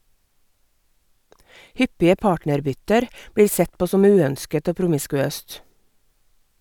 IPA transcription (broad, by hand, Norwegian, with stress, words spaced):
ˈhʏpɪə ˈpɑːʈnəɾˌbʏtəɾ ˈbɽiːɾ ˈsɛt ˈpoː ˈsɔm ˈʉːˌœnskət ˈoː pɾʊmɪskʉˈøːst